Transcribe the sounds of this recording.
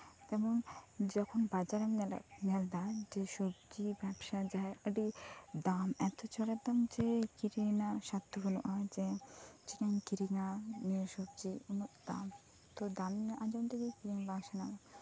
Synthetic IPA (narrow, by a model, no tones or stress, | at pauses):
t̪ɛmond͡ʒɔkʰonbad͡ʒaɾam̰nɛld̪ad͡ʒeʃɔbd͡ʒibɛbʃad͡ʒaeəɖid̪amɛt̪ot͡ʃɔɽad̪amd͡ʒekiɾinaʃat̪ːuɦunuʔad͡ʒet͡ʃinankiɾiŋanijoʃɔbd͡ʒiunuʔd̪̥a̰m | t̪od̪amnʔãd͡ʒawnt̪ʰeɡekiɾiŋbaʃanaɡa